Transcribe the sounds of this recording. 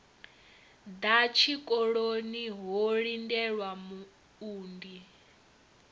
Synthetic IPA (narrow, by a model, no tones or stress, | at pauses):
d̪at͡ʃʰikʼɔɺoniɦoɺindɛɺwamu | uːndi